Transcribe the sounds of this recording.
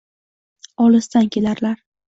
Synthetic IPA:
ɒlɪst̪ankʲʰe̞laɾlaɾ

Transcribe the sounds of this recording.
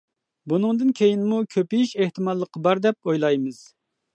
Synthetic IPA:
bunɨŋd̪ɨnkʲʰejinmukʲʰøpijiʃeht̪ɨmɑlˠːəqːəbɑɾd̪ɛp̚ojlˠɑjmɨz̥

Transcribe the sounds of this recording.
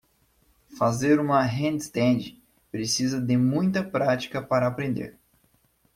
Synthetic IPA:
fazeɾũmɐɦẽnd̪st̪ẽd͡ʒɪ | pɾesizɐd̪ɪmũj̃t̪ɐpɾat͡ʃi̥kɐpaɾɐːpɾẽnd̪ḛɾ

